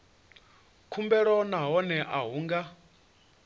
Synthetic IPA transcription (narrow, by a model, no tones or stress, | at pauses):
kʰumbɛɺɔnaɦɔnɛʔaɦuːŋɡa